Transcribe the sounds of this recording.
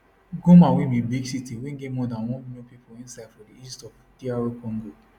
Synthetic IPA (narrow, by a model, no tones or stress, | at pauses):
ɡumãwimĩbiɡsitiweŋ̩ɡemɔdãnwɔ̃inõpipoĩnsaɪd̥fɔdiistɔv | diaɹokɔ̃ŋɡo